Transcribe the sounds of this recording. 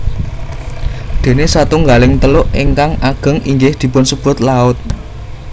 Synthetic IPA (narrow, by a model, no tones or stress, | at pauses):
d̪̥e̤nesat̪uŋɡalɪŋt̪əlʊʔeŋkaŋaɡ̥ə̤ŋiŋɡɪhd̪̥i̤pʊnsəb̥ʊ̤t̪̚laʊt̪̚